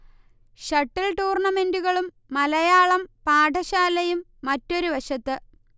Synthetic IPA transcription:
ɕɐʈːilʈuːrɳɐme̞nduɣɐɭumːɐlɐjaːɭɐmpaːʈʰɐɕaːlɐjumːɐtːo̞ɾuʋɐɕɐt̪ːɨ

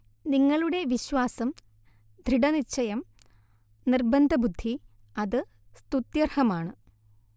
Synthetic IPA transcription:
niŋːɐɭuɽe̞ʋiɕwaːsɐm | d̪ʱɾiɽɐnit͡ɕːɐjɐm | nirbɐnd̪ʱɐbud̪ʱːi | ɐðɨ | st̪ut̪jɐrhɐmaːɳɨ

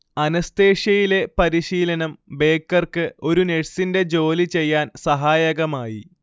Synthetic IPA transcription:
ɐnɐst̪e̞ːʂɐjile̞pɐɾiɕiːlɐnɐmbe̞ːkːɐrkɨo̞ɾune̞ʈsinde̞d͡ʑo̞ːlit͡ɕe̞jːaːnsɐɦaːjɐɣɐmaːji

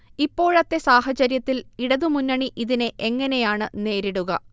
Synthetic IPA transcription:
ipːo̞ːɻɐt̪ːe̞saːɦɐt͡ɕɐɾjɐt̪ːiliɽɐðumunːɐɳiʔiðineʔeŋːɐne̞jaːɳɨne̞ːɾiɽuɣɐ

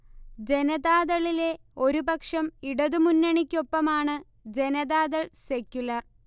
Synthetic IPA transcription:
d͡ʑe̞nɐðaːðɐɭile̞ | o̞ɾubɐkʂɐmiɽɐðɨmunːɐɳikʲːo̞pːɐmaːɳɨ | d͡ʑe̞nɐðaːðɐɭse̞kʲːjulɐr

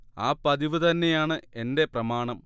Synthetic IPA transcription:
aːpɐd̪iʋɨt̪ɐnːe̞jaːɳɨe̞nde̞prɐmaːɳɐm

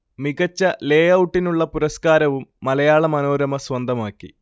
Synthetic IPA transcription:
miɣɐt͡ɕːɐle̞ːjɐwuʈːinuɭːɐpuɾɐskaːɾɐʋumːɐlɐjaːɭɐmɐno̞ːɾɐmɐsʋɐnd̪ʱɐmaːkːi

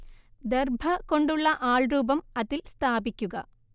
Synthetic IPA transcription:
d̪erbʱɐkoɳɖuɭːɐʔaːɭruːbɐmɐðilst̪ʰaːbikʲːuɡɐ

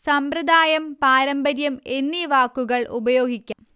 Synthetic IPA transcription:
sɐmprɐd̪aːjɐmpaːɾɐmbɐɾjɐme̞nːiʋaːkːuɣɐɭʔṵbɐjo̞ːɡikʲːaːm

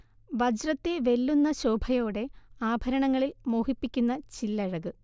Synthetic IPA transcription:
ʋɐd͡ʑrɐt̪ːeʋe̞lːunːɐɕo̞ːbʱɐjo̞ːɽe̞aːbʱɐɾɐɳɐŋːɐɭilmoːhipːikʲːunːɐt͡ɕilːɐɻɐɣɨ

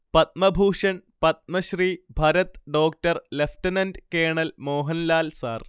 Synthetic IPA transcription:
pɐt̪̚mɐbʱuːʂɐɳpɐt̪̚mɐɕriːbʱɐɾɐt̪ɖoːk̚ʈɐrleftɐnɐndkeːɳɐlmoːɦɐnlaːlsaːr

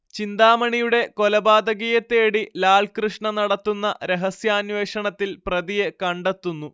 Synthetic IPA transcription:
t͡ɕind̪aːmɐɳijuɽe̞ko̞lɐbaːd̪ɐɣijɐt̪ːe̞ːɽilaːɭkrɨʂɳɐnɐɽɐt̪ːunːɐɾe̞ɦɐsjaːnʋe̞ːʂɐɳɐt̪ːilprɐðijekɐɳɖet̪ːunːu

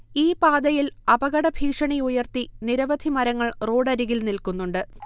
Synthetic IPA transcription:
iːpaːd̪ɐjilɐbɐɣɐɽɐbʱiːkʂɐɳiujɐrt̪iniɾɐʋɐd̪ʱimɐɾɐŋːɐɭro̞ːɖɐɾiɣilnilkunːuɳɖɨ

